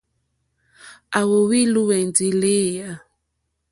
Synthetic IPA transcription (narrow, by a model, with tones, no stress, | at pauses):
a˨wo˨wi˦lu˦wɛ˨nd͡zi˨le˦˨ja˨